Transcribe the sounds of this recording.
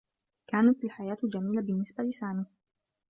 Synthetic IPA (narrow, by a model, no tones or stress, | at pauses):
kaːnat̪alħajaːt̪d͡ʒamiːlabɪnːɪsbalɪsaːmɪh